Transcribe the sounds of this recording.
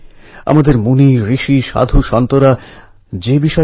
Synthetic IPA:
a̰mad̪eɾmuniɾiʃiʃa̰d̪ʱuʃɔnt̪oɾa | d͡ʑebiʃɔ

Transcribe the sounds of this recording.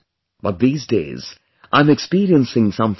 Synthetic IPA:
b̥ʌt̪̚ðiːzdḛɪz̥ | ʔãɪ̃mɨkspiːɾiə̃nsɪ̃ŋsʌ̃mθ

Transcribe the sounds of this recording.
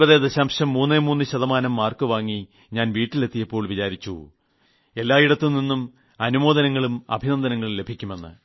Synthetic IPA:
ɐðed̪ɐɕaːmɕɐmːuːnːemuːnːɨɕɐðɐmaːnɐmːaːrkɨʋaːŋːi | ɲaːnʋiːʈːile̞t̪ːijɐpːo̞ːɭʋit͡ɕaːɾit͡ɕːu | e̞lːaːiɽɐt̪ːilninːum | ɐnumo̞ːd̪ɐnɐŋːɐɭumɐ̰bʱinɐnd̪ɐnɐŋːɐɭle̞bʱikʲːume̞nːɨ̰

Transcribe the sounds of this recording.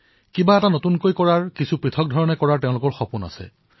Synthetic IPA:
kibaɛtanotunkojkɔɹaɹkisʰupɹitʰɔk̚dʱɔɹɔnɛkɔɹaɹtɛʊ̃lʊkɔɹxɔpuna̰sɛ̰

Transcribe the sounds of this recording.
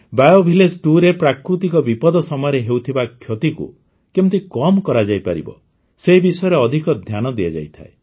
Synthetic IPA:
bajobʱilesʈuɾepɾakɾut̪ikɔbipɔd̪ɔsɔmɔjɔɾeɦewt̪ʰibakʰjot̪ikṵ | kew̪̃t̪ikɔmkɔɾad͡ʒajpaɾḭbɔ̰ | seɦibisɔjɔɾeɔd̪ʱikɔd̪ʱjanɔd̪iad͡ʒa̰jt̪ʰa̰e

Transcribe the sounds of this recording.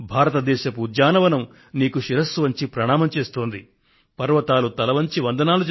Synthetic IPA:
bʱaːɾɐt̪ɐd̪ɛːʃɐpuːd̪jaːnɐʋɐnɐm | niːkuʃiɾɐsʋɐɲt͡ʃipɾɐɳaːmɐmt͡ʃeːst̪oːnd̪i | pɐɾʋɐt̪aːlut̪ɐlɐʋɐɲt͡ʃiʋɐnd̪ɐnaːlud͡ʒ

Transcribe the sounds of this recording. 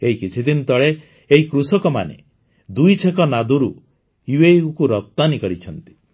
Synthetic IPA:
eɦikit͡ʃʰid̪inɔt̪ɔɭe | eɦikɾusɔkɔma̰nḛ | d̪ujt͡ʃʰekɔnad̪uɾu | iweukuɾɔt̪ːanikɔɾit͡ʃʰɔnt̪i̥

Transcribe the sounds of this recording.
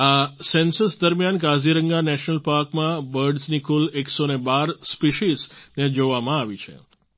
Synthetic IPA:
asɛnsəsd̪əɾmjankaziɾəŋɡanɛʃnəlpaɾkmãbəɾɖznikuleksonebaɾspiʃizned͡ʒoʋamãaʋit͡ʃʰḛ

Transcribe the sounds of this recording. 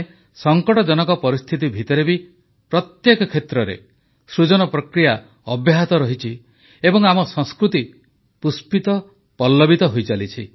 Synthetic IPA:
sɔŋkɔʈɔd͡ʒɔnɔkɔpɔɾist̪ʰit̪̬ibʱit̪ɔɾebi | pɾɔt̪jekɔkʰet̪ɾɔɾḛ | sɾud͡ʒɔnɔpɾɔkɾija | ɔbjaɦat̪ɔɾɔɦit͡ʃʰi | ebɔŋamɔsɔŋskɾut̪i | puspit̪ɔ | pɔlːɔbit̪ɔɦojt͡ʃalit͡ʃʰi

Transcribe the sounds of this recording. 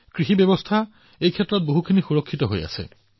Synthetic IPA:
kɹixibebɔstʰa | ejkʰɛtːɹɔt̚boɦukʰinixuɹɔkʰːitɔɦo̰ja̰sɛ̰

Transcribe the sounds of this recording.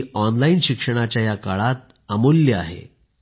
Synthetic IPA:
ɔnlainɕikʂəɽ̃at͡ɕjajakaɭat̪̚ | əmulːjəa̰ɦḛ

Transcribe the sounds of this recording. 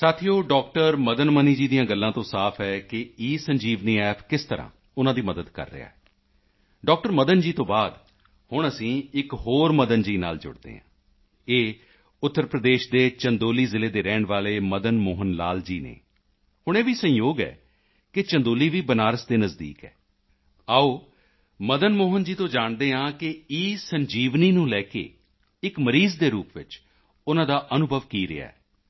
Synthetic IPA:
saːt̪ʰijoːɖɔːkʈəɾməd̪ənməniːd͡ʒiːd̪ijãːɡəlːãːt̪õːsaːpʰɛːkɪiːsəɲd͡ʒiːʋniːɛːpʰkɪst̪əɾã̰ː | ʊnãːd̪iːməd̪əd̪kə̰ɾːə̰ɪ̰a̰ːɛ | ɖɔːk̚ʈəɾməd̪ənd͡ʒiːt̪õːbaːd̪ | hʊɳ̃əsĩːɪkɦoːɾməd̪ənd͡ʒiːna̰ːld͡ʒʊ̰ɽd̪ḛːɦã̰ː | eː | ʊt̪ːəɾpɾəd̪eːʃd̪eːt͡ʃənd̪oːliːzɪleːd̪eːɾɛːɳʋaːleːməd̪ənmoːɦənla̰ːld͡ʒiːnḛː | hʊɳ̃eːʋiːsə̃joːɡɛ̰ː | kɪt͡ʃə̃nd̪oːliːʋiːbənaːɾəsd̪eːnəzd̪ḭːkɛ̰ː | aːoː | məd̪ənmoːɦənd͡ʒiːt̪õːd͡ʒaːɳd̪eːãːkɪiːsəɲd͡ʒiːʋniːnũːlɛːkḛː | ɪkməɾiːzd̪eːɾuːpʋɪt͡ʃ | ʊnãːd̪aːʔənʊbʱəʋkiːɾɪ̰a̰ːɛː

